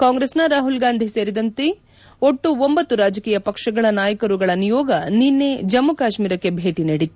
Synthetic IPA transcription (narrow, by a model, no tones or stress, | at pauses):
kaːŋɡɾeːsnɐɾaːɦulɡaːnd̪ʱise̞ːɾid̪ɐnt̪e | oʈːuombɐt̪ːuɾaːd͡ʒɐkiːjɐpɐkʂɐɡɐɭɐnaːjɐkɐɾuɡɐɭɐnijɔːɡɐninːed͡ʒɐmːukaːʃmiːɾɐkːe̞bʱeːʈiniɽit̪u̥